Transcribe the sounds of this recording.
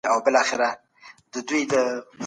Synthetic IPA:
awbɪlɑxɪɾa | d̪əd̪ujd̪ə

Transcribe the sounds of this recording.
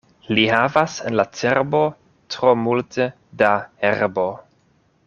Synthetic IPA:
liɦavasenlat͡seɾbo̞ | tɾo̞multe | daeɾbo̞

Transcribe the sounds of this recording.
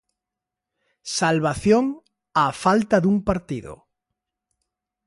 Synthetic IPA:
salβaθjoŋ | afalt̪ɐðuŋpaɾt̪iðʊ̰

